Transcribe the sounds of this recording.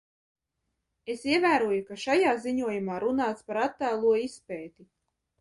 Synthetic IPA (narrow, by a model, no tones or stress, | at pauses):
esiɛvæːɾuɔjukaʃajaːziɲuɔjumaːɾunaːt̪spaɾat̪ːaːlˠuɔispɛːt̪i